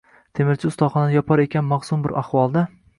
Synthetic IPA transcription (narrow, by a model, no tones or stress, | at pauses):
t̪ʰe̞mɪɾt͡ʃʰɪʊst̪ɒχɒnanajɒpʰɒɾe̞kʲʰanmɑχsʊmbɪɾʔaχwɒlˠd̪a